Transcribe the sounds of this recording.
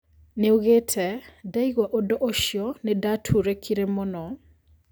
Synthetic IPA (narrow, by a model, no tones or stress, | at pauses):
neoɣetʰɛdaiɣwaʔodɔʔoʃjɔnedatʰuɾekʰiɾemɔnɔ